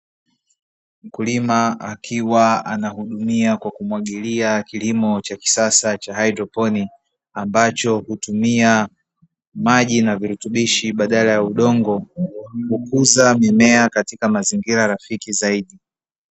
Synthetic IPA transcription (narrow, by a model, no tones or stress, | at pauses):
m̩kulimaakʰiwaanahuɗumiakwakumwaɠiliakilimɔt͡ʃaki̥sasat͡ʃaɦajdɾɔpɔni | ambat͡ʃɔhutumia | maʄinaviɾutuɓiʃiɓaɗalajauɗɔŋɡɔkukuzamɛmɛakatikamaziŋɡiɾaɾafikizaiɗi